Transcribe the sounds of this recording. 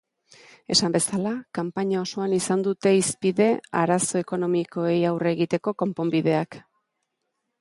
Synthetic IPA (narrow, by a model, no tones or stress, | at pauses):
e̞sambe̞salakampaɲao̞so̞anisand̪ut̪e̞ispiðe̞a̰ɾaso̞e̞ko̞no̞miko̞e̞jawre̞ɣit̪e̞ko̞ko̞mpo̞mbiðe̞ak